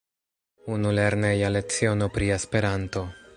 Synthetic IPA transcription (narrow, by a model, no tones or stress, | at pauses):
unuleɾnejalet͡sio̞no̞pɾiespe̞ɾanto̞